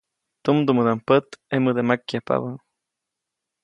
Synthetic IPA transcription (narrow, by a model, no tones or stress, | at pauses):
t̪umd̪umɨd̪ampət̪emɨd̪emakjapa̰βa